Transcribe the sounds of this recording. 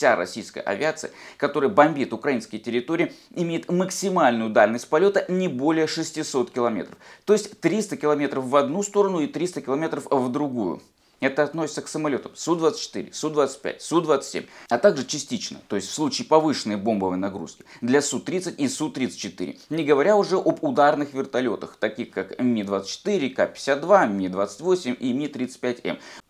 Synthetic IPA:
fsʲaɾɐ̰sʲijskəjə̰ʔɐ̰vʲɪat̪sɨ̰jəkɐt̪o̞ɾəjəbɐmʲbʲit̪ʊkɾɐinskəjtʲɪɾʲɪt̪oɾʲɪː | ɪmʲejɪt̪məksʲɪmalʲnʊjʊd̪alʲnəsʲt̚ʲpɐlʲo̞t̪ənʲɪbo̞lʲɪjəʂɨsʲtʲɪso̞t̪kʲɪlˠɐmʲet̪ɾəft̪o̞ɪsʲtʲt̪ɾʲist̪əkʲɪlˠɐmʲe̞t̪ɾəfvɐd̪nust̪o̞ɾənʊit̪ɾʲist̪əkʲɪlˠɐmʲe̞t̪ɾəfvd̪ɾʊɡujʊ̰ | ɛt̪əɐt̪nosʲɪt̪səksəmɐlʲo̞t̪əmsud̪vat̪sə̥t͡ɕːɪ̥t̪ɨ̰ɾʲɪ̰sud̪vat̪sə̥t̚ʲpʲæ̰t̚ʲsud̪vat̪sɨ̥tʲsʲḛmʲɐt̪aɡʐɨt͡ɕɪsʲtʲit͡ɕnə̰t̪o̞ɪsʲtʲfslˠut͡ɕɪːpɐvɨʂɨnəjbo̞mbəvəjnɐɡɾṵskʲɪ̥d̪lʲɐsut̪ɾʲit̪sɨtʲisut̪ɾʲit̪sɨ̥t̚ʲt͡ɕːɪt̪ɨ̰ɾʲɪ̰nʲɪɡəvɐɾʲaʊʐɛʔobʊd̪arnɨxvʲɪrt̪ɐlʲo̞t̪əxt̪ɐkʲixkakmʲid̪vat̪sə̥t͡ɕːɪ̥t̪ɨɾʲɪkapʲɪ̥sʲat̪̚d̪vamʲid̪vat̪sə̥tʲvosʲɪmʲimʲit̪ɾʲit̪sɨt̚ʲpʲætʲɛ̰m

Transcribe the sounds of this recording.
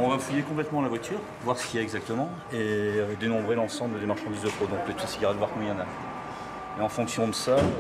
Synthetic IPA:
ɔ̃vafujekɔ̃plɛt̪mɑ̃lavwat̪ʰyːʁ | vwaʁsə̥kʲiɛɛɡzak̚t̪əmɑ̃ | ed̪enɔ̃bʁelɑ̃sɑ̃bləd̪emaʁʃɑ̃d̪izd̪əpʰod̪ɔ̃klet̪esiɡaʁɛd̪əvwaʁkmjɑ̃na | eɑ̃fɔ̃ksjɔ̃d̪əsa

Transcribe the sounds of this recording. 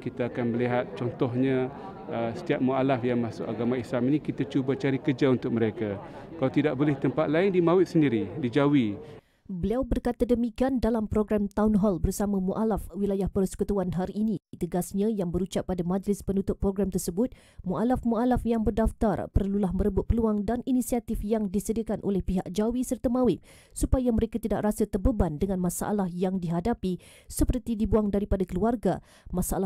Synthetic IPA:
kit̪aːkanməliɦat̪̚t͡ʃɔnt̪ɔɦɲã | əsə̥t̪iap̚mualafjaŋmãsʊkaɡamãislaminĩkit̪at͡ʃubat͡ʃaɾikəd͡ʒaunt̪ʊk̚məɾeka | kalawt̪idaʔ̚bolɛht̪əmpat̪̚laɪndimawɪt̪̚səndiɾidid͡ʒawi | bəliawbərkat̪adəmikiandalampɾoɡɾamt̪aʊnɦɔlbərsamãmuʔalafwilajahpərsə̥kut̪uanɦaɾiːnit̪əɡasɲãjaŋbəɾut͡ʃaʔpːadamãd͡ʒlɪspənut̪ʊt̪̚pːɾoɡɾamt̪ərsəbʊt̪̚ | muʔalafmualafjaŋbərdaft̪arpərlulahmə̃ɾəbʊt̪̚pəluaŋdaninisiat̪ɪfjaŋdisədiakanʔo̰lɛhpiɦak̚d͡ʒawisərt̪amawɪp̚ | supajaməɾekat̪ida̰ʔrasat̪ərbəbandəŋãnmãsa̰ʔa̰lahjaŋdiɦadapi | səpərt̪idibuaŋdaɾipadakəluarɡa | masaala

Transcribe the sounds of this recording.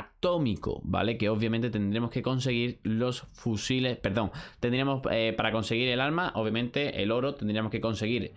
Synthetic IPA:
at̪o̞miko̰ba̰le̞ke̞oβjamẽnt̪et̪e̞nd̪ɾe̞mo̞ske̞ko̞ns̬e̞ɣ̞iɾlo̞sfusile̞spe̞ɾðõ̞ŋt̪e̞nd̪ɾemoepaɾako̞nse̞ɣ̞iɾe̞lalmaʔoβjamẽnt̪e̞ʔḛlo̞ɾot̪end̪ɾiemo̞skeko̞nse̞ɣ̞iɾ

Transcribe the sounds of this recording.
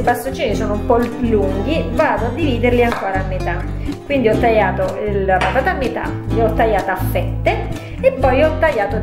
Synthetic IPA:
past̪ːot͡ʃːiːnisoːnoumpɔlluŋɡivaːd̪oad̪ːiviːd̪erliaŋkoːɾaːmːet̪a | kːwind̪iɔt̪ːajaːt̪oapat̪aːt̪amːet̪a̰ | eɔt̪ːajːaːt̪aafːɛt̪ːe | epːɔjɔt̪ːaʎːaːt̪o

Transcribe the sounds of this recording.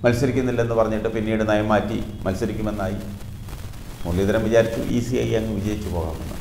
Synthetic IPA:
mɐlsɐɾikʲːunːilːɐe̞nːɨpɐrɐɲːiʈːɨpinːiːɽɨnɐjɐmːaːtːḭmɐlsɐɾikʲːume̞nːaːji | muɭːid̪ɐɾɐmʋid͡ʑaːɾit͡ɕːṵʔḭsiɐ̰jɐŋːɨʋid͡ʑɐjit͡ɕːupo̞ːɣa̰ːmenːɨ̰

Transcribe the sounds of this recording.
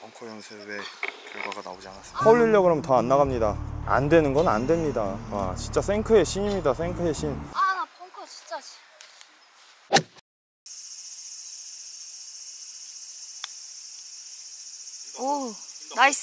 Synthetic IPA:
ʌŋkʰʌjʌnsʰewekjʌɭɡwaɡana̰bod͡ʑianas͈sʰʌuɭʎːiʎːʌɡɯɾʌmtʌanːaɣamɲidaa̰ndwe̞nɯnɡʌna̰ndwemɲidaa̰t͡ɕint͡ɕ͈asʰe̞ŋkʰɯɦe̞ɕʰiɲimɲidasʰe̞ŋkʰɯɦeɕʰinŋkʰit͡ɕ | onais

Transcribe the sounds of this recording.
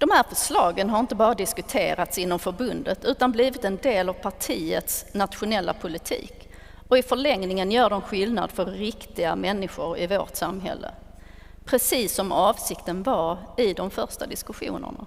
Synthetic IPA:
d̥̪ɔmhæːɾfœʂlɑːɡənɦaɾɪnt̪əbɑːɾad̪ɪskɵt̪ʰḛːɾat̪sɪnːɔmfœɾbɵnd̪ət̪ʰʉ̟ːt̪anbliːvɪt̪ɛnd̪eːlavpʰaʈʰiːət̪snat̪ɧʊnɛlːa̰pʰʊlɪt̪ʰḭːk | ɔɪfœɭɛŋnɪŋənjœːɖɛnɧɪlna̰d̪fœɾːɪkt̪ɪɡamɛnːɪɧʊɾɪvoːʈsamɦɛ̰lːə̰ | pʰɾɛsiːsːɔmɑːvsɪkt̪ənvaɾɪd̪ɔmfœɾʂʈad̪ɪskɵɧṵːnə̰ɳa̰

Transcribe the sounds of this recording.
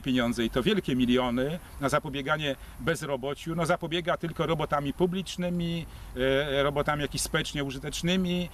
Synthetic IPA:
pʲeɲɔnzɛit̪ɔvʲjɛlkʲɛmʲilʲjɔnɘnazapɔbʲjɛɡaɲɛbɛzɾɔbɔt͡ɕunɔzapɔbʲjɛɡat̪ɘlkɔɾɔbɔt̪amʲipublʲit͡ʂnɘmʲi | ɾɔbɔt̪amʲijakʲispɔɛt͡ʂɲɛuʐɘt̪ɛt͡ʂnɘmʲi

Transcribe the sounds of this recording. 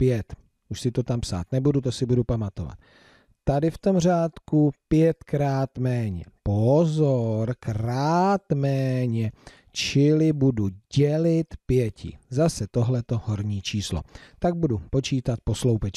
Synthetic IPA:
pjɛt̪ | ʔuʃsɪt̪ot̪ampsa̰ːt̪nɛbudut̪osɪbudupamat̪ova̰t̪ː | adɪft̪o̞mr̝aːt̪kupjɛt̪kɾaːt̪mɛːɲɛ̰pozoɾkɾaːt̪mɛːɲɛ | t͡ʃɪlɪbuduɟɛlɪt̪pjɛcɪ̰zasɛt̪o̞ɦlɛt̪o̞ho̞ɾɲiːt͡ʃiːslo̰t̪aɡ̚budupo̞t͡ʃiːt̪at̪̚po̞slowpɛt͡ʃ

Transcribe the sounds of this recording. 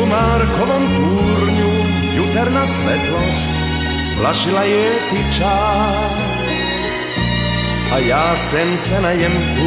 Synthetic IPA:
umaːɾkɔvɔnt̪uːɾɲu | jut̪ɛɾnasvɛt̪lɔst | splaʃilajɛ | pit͡ʃa | ʔajaːsɛmsɛnaɲɛmkt̪u

